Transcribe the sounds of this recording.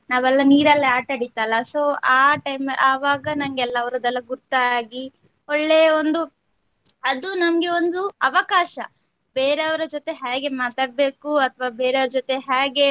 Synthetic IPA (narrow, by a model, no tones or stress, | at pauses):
naːʋɛlːɐniːɾɐlːɐaːʈɐɽit̪ːaːlɐso̞ːaːʈɐjmaːʋaːɡɐnɐŋɡɛlːɐɐʋɐɾɐd̪ɛlːɐɡuɾt̪aaːɡi | ɔɭːejɐond̪u | ɐd̪unɐmɐɡe̞ond̪uɐʋɐkaːʃɐ | beːɾeɐʋɐɾɐd͡ʒot̪e̞ɦaːɡe̞maːt̪aːɽ̚be̞ːkuɐt̪ʰɐʋaːbeːɾeɐʋɾɐd͡ʒot̪e̞ɦaːɡe̞